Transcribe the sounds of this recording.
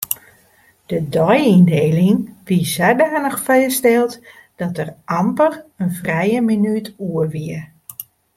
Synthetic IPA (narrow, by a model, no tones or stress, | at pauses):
d̥ədɔjindeːlɪŋʋizɛdaːnəxfɛjəstɛlˠt | d̥ɔtərʔampərənfrɛjəminytuəʋiə